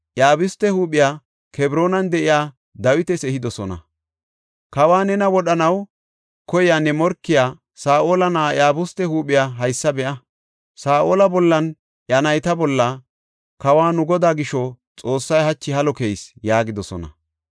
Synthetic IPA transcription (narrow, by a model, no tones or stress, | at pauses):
ʔjaːbʊst̪ːɛhuːpːɪjaː | kʰɛbɾo̞ːnɐnd̪ɛʔɪjaː | d̪ɐwɪt̪ɛsɛhɪd̪ɔsɔnɐ̰ | kɐwaːnɛnɐwɔɗɐnɐw | kɔjaːnːɛmɔɾkːɪjaː | saːʔoːlɐnaːjaːbʊst̪ːɛhuːɓɪjaːɦɐjsːɐbɛʔɐ | saːʔoːlɐbɔlːɐn | ʔjɐnɐjt̪ɐbɔlːɐ | kɐwaːnʊɡɔd̪aːɡɪʃɔ | t͡sʼo̞ːsːɐjhɐt͡ʃːɪhɐlɔkejsjaːɡɪd̪ɔsɔ̰nɐ̰